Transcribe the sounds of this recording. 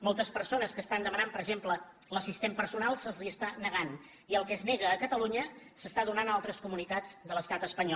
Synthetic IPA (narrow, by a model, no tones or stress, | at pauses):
mɔlˠt̪əspəɾsonəskəːst̪and̪əmənampəɾəɡʒemplə | ləsist̪empəɾsunalˠsəzliəst̪anəɣan | iəlˠkɛznɛɣəːkət̪əluɲə | səst̪aðunanalˠt̪ɾəskumunit̪ad͡zd̪ələst̪at̪əspəɲɔ